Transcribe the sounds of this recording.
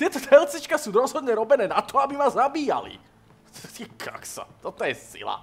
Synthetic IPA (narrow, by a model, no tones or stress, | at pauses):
t̪ɪɛt̪ɔt̪ɛlt͡sit͡ʃkasuːɾɔzɦɔd̪ɲɛɾɔbɛnɛːnat̪ɔabimazabiːja̰lḭ | t̪ikʰa̰ksa̰t̪ɔt̪ɔjɛsḭla̰